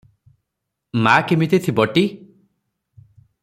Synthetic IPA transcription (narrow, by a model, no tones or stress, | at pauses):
makemit̪ʰet̪ʰibɔʈi